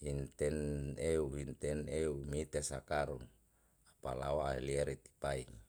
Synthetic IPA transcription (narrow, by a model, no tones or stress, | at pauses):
hint̪ɛneuɦint̪ɛneumit̪esakaɾun | apala̰oaelieɾit̪i̥paiŋ